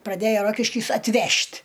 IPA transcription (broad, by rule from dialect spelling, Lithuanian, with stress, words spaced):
prɐˈdʲæːjoː ˈroːkʲɪʃʲkʲiːs ɐtʲˈʋʲɛʃʲtʲ